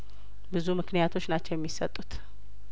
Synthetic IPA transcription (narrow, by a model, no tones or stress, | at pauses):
bɨzumɨknijat̪ʰo̞t͡ʃːnat͡ʃːɛwjɛmːisət̪ʼːut̪